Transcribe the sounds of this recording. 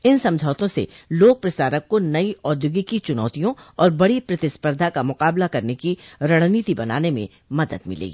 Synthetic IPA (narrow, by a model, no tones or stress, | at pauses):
ɪnsɐ̃md͡ʒʱaːt̪õsḛ | loːk̚pɾɐsaːɾəkːonɐiɔːd̪jʊɡikit͡ʃʊnɔ̰ːt̪ijõɔːɾbɐɽipɾɐt̪ɪspəɾd̪ʱakamʊqaːblakɐɾnekiɾɐɽ̃niːt̪ibɐna̰ːnemḛ̃ | mɐd̪əd̪mɪ̰lḛː